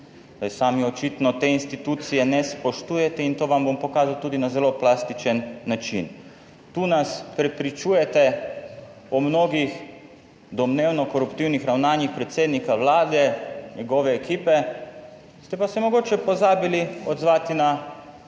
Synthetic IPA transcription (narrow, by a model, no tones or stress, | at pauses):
ajsaːmiɔt͡ʃit̪nɔt̪eːinst̪it̪uːt̪sijɛnɛspɔʃt̪uːjɛt̪ɛint̪oːʋambompɔkaːzawt̪uːd̪inazɛloplaːst̪it͡ʃɛnːat͡ʃḭn | t̪uːnaspɾɛpɾit͡ʃujɛt̪ɛ | ɔmnoːɡix | d̪ɔmneːwnɔkɔɾupt̪iwnixɾawnaːnjixpɾɛt̪seːd̪nikawlaːd̪ɛɲɛɡɔːʋɛːkiːpɛ | st̪ɛpasɛmɔɡoːt͡ʃɛpɔzaːbiliɔd̪zʋaːt̪ina